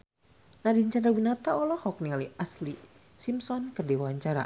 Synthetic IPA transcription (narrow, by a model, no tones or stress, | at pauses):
nadiɲt͡ʃandɾawinat̪aɔlɔhɔk̚nialiʔasli | simsɔnkərdiwaaɲt͡ʃaɾa̰